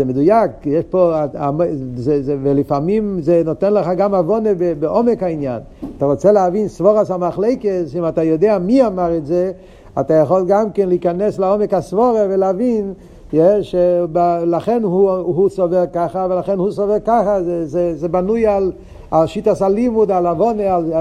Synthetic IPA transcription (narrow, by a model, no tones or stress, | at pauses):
zɛmedujakjeʃpoaamzɛzvelifamimzenotenləχaɡamavonebebeʔomekhainja̰n | ataʁot͡seleavinsvoʁasamaχlejkesimatajodeamiamaʁɛtze | atajaχolɡamkɛnliikanɛslaomɛkhasvoʁevelavin | jeʃebalaχenɦuɦusovɛʁkaχavelaχenhusovɛʁkaχazɛzɛzɛbanujal | aʃitasalimudalavoneal